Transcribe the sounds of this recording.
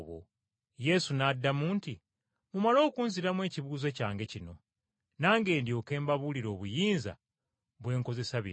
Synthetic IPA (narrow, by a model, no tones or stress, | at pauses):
βo̰ | je̞sunadːamuːnti | mumalo̞ːkuːnziɾamwe̞ːciβuːze̞caːŋɡe̞cino̞ | naːŋɡe̞ːndjo̞ːke̞ːmbaβuliɾo̞ːβujiːnza̰ | βwe̞ːŋko̞ze̞saβḭ